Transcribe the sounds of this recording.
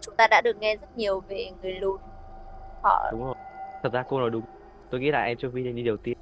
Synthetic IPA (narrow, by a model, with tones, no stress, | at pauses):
t͡ɕʊ˦ŋ͡mt̪aː˧ɗa̰ː˧˥ɗɨ˨˩ək̚ŋɛ˧zə˦˥t̚ɲi˨˩əwve˨˩ŋɨ˨˩əjlu˧n | ʔɔ̰ː˧˩ɗʊ˨˦ŋ͡mo˨˩jt̪ʰə˨˩t̚zaː˧ko˧no˨˩jɗʊ˨˦ŋ͡m | t̪o˧jŋḭ˧˥la̰ː˧˨ʔɛ˧mt͡ɕo˧vi˧n˨˩ɲɨ˧ɗə˨˩wt̪i˧ə